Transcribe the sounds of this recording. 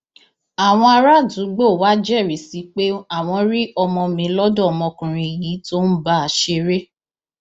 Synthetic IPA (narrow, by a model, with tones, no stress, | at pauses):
a˨w̃ɔ̃˧a˧ɾa˦˨dũ˨˦ɡ͡bo˦˨wa˦d͡ʒɛ˦˨ɾi˨˦si˨˦k͡pe˦a˦˨w̃ɔ̃˧ɾi˦ɔ˧mɔ̃˧mĩ˨˦lɔ˦dɔ˦˨ɔ˧mɔ̃˧kũ˨ɾ̃ĩ˨ji˨˦to˦n̩˦ba˦a˨ʃe˧ɾe˦